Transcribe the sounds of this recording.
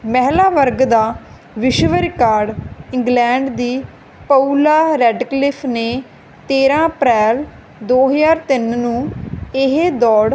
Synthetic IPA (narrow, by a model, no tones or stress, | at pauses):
mɛɦlaːʋəɾɡd̪aː | ʋɪʃʋəɾɪkaːɾɖɪ̃ŋɡlɛ̃ːɳɖd̪iː | pəuːlaːɾɛːɖklɪpʰneː | t̪eːɾãːəpɾɛːl | d̪oːɦəzaːɾt̪ɪnnũːɪɦed̪ɔːɽ